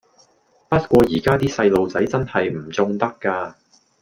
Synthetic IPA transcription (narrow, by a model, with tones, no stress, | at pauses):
pɐ˥t̚kʷɔː˧jiː˨˩kaː˥t̪iː˥sɐ˧jlo˨˧wt͡sɐ˨˥jt͡sɐ˥nhɐ˨jm̩˨˩t͡sʊ˧ŋt̪ɐ˥kːaː˧